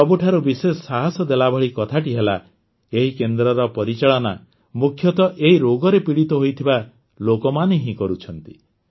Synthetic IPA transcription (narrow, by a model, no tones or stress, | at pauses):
sɔbuʈʰaɾubisesɔsaɦɔsɔd̪elabʱɔɭikɔt̪ʰaʈiɦela | eɦikend̪ɾɔɾɔpɔɾit͡ʃaɭɔna | mukʰjɔt̪ɔʔeɦiɾoɡɔɾepiɽit̪ɔɦojt̪ʰiba | lokɔmaneɦĩkɔɾut͡ʃʰɔnt̪i